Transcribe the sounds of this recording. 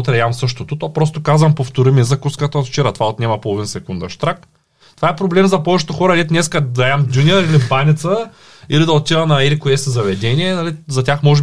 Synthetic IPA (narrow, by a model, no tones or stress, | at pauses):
t̪ɾɛamsɤʃt̪ot̪ʊt̪opɾɔst̪okazvɐmpoft̪oɾimizɐkuskət̪əot̪ft͡ʃɛɾat̪ovaot̪nʲɛmɐpolˠovinsɛkund̪ɐʃt̪ɾak | t̪ovaɛpɾoblɛmzɐpɔvɛt͡ʃɛ̥t̪oxɔɾɐlɛt̪nɛskəd̪ɐamd̪ʲunʲiəɾilibanit̪sə | ilid̪ɐot̪ʲːivɐnɐilikoɛsizɐvɛd̪ɛniɛnɐlizɐtʲaxmɔʒɛb